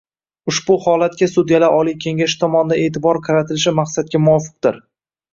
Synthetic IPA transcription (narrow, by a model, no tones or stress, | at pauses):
ʊʃbʊhɒlat̪̚kʲasʊd̪jalaʔɒlijkʲʰe̞ŋʲaʃɪ̥t̪ʰɒmɒnɪd̪ae̞ːt̪ʰɪbɒɾqʰɑɾat̪ʰɪlɪʃɪmaqsat̪̚kʲamʊɒfɨ̥q̚d̪̥ɪɾ